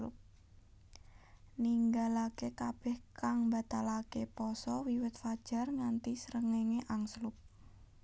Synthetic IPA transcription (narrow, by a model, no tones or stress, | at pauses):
ʊ̰p̚ | niŋɡalakekab̥ɛhkaŋbat̪alakepɔsɔwiwɪt̪̚fad̥ʒ̥a̤rŋant̪isəɾəŋeŋeʔaŋslʊp̚